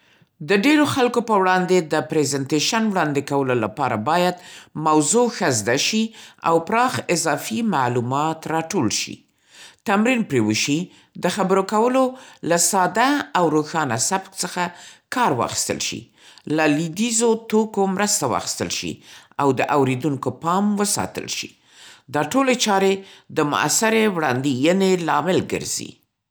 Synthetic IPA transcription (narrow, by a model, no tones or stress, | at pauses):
d̪əɖeɾoxalkopəwɽɑnd̪ed̪əpɾezant̪eʃanwɽɑnd̪ekawəlolapɑɾabɑjad̪̚mawzoxazd̪aʃia̰wpɾɑxɪzɑfima̰ʕlumɑt̪ɾɑʈolʃḭ | t̪amɾinpɾewəʃi | d̪əxabəɾokawəlolasɑd̪aawɾoxɑnasabk̚t͡səxakɑɾwɑ̰xi̥st̪ə̰lʃḭ | lalid̪izot̪okomɾəst̪awɑ̰xi̥st̪ə̰lʃḭawd̪əʔawɾed̪uŋkopɑmwəsɑ̰t̪ə̰lʃḭ | d̪ɑʈolet͡ʃɑɾed̪əmʊ̰ʔa̰sɪɾewɽɑ̰nd̪ijənelɑmɪlɡə̰ɾz̥ḭ